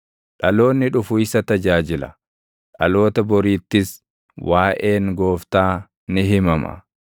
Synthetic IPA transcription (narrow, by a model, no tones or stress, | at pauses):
ᶑɐlo̞ːnːɪᶑʊfʊɪsɐt̪ɐd͡ʒaːd͡ʒɪlɐ̰ | ᶑɐ̰lo̞ːt̪ɐbɔɾiːt̪ːɪs | wʔaːʔeːŋɡo̞ːft̪aː | nɪɦɪmɐmɐ̰